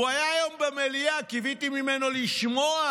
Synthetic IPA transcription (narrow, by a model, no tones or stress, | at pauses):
ajajɔm̩bɛmɛliakivitimimɛnɔliʃimɔa